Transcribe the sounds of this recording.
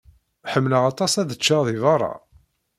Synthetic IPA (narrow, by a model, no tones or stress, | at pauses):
ħəmːləʁɑt̪ˤɑsæðət͡ʃːaʁðivɑrˤːɑ̰